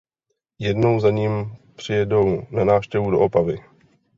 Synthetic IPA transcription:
jɛdno̞wzaɲiːmpr̝̥ɪjɛdo̞wnanaːfʃcɛvudo̞̰ʔopavɪ

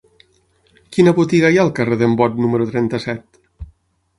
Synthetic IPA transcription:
kinəβot̪iɣajalˠkəreðembɔt̪numəɾut̪ɾɛnt̪əsɛt̪

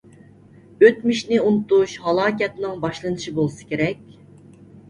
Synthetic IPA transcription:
øt̪miʃnɪunɨt̪uʃhɑlˠɑːkʲɛt̪nɪŋbɑʃlˠɨnɨʃibolˠsɨ̥kʲʰeɾɛkʲ

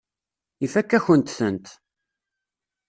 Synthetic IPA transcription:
ifækːæçənt̪θənt̪

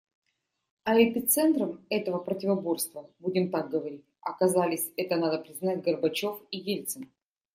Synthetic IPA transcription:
ɐɛpʲɪt̪sɛnt̪ɾəmɛt̪əvəpɾətʲɪvɐbo̞rst̪vəbudʲɪmt̪aɡ̚ɡəvɐɾʲitʲɐkɐzalʲɪsʲɛt̪ənad̪əpɾʲɪznatʲɡərbɐt͡ɕo̞fiɡʲelʲt̪sɨn

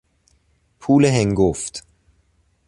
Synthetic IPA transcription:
pʰuːləɦɛŋɡʊft

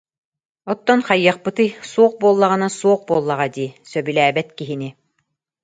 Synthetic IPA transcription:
ɔt̪ːɔnχajːɑq̚pɯt̪ɯjsuɔq̚buɔlˠːaʁɯnasuɔqbuɔːlˠːaʁad̪iːsœbylæːbɛt̪kiɦini

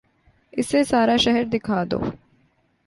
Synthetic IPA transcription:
ɪsesaːɾaːʃɛɦɛɾd̪ɪkʰaːd̪o̰ː

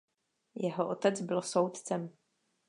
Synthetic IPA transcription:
jɛɦoʔot̪ɛt͡sbɪlsowt̪t͡sɛm

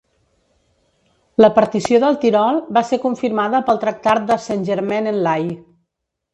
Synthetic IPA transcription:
ləpəɾt̪isioðəlˠt̪iɾɔlˠbasekuɱfiɾmaðəpəlˠt̪ɾək̚t̪at̪̚d̪əsanʲʒəɾmɛnənlaj

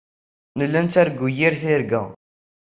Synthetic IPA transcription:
nəlːænt̪æɾɡːujiɾθɪɾɡæ̰

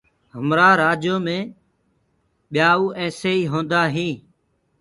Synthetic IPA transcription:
ɦəmɾaːɾaːd͡ʒjoːmẽː | ɓɪjaːuːʔɛ̃ːseːiːɦõːnd̪aːɦĩː

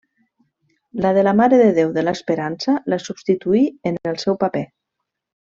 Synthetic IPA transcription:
lað̞əlamaɾəðəðewðəlaspəɾansalasubst̪it̪uiənəlˠsɛwpape

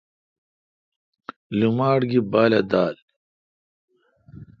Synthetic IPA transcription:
lumaːɽɡibaːlɐd̪aːl

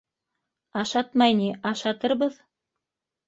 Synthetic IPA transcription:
ɑʃɑt̪mɑjniʔɑʃɑt̪ɤɾβɤð

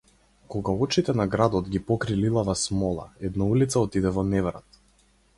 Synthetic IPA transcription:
kɔɡaɔt͡ʃit̪ɛnaɡɾad̪ɔt̪ɡʲipɔkɾililˠavasmɔlˠa̰ɛd̪naulit̪saɔt̪id̪ɛvɔnɛvɾa̰t̪

